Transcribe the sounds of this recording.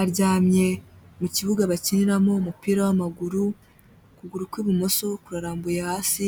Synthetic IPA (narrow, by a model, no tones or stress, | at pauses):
aɾɟaːmɲe̞muciβuɡaβaciniɾamo̞mupiːɾawamaɡuɾu | kuɡuɾukwiβumo̞so̞kuɾaɾaːmbujahaːsi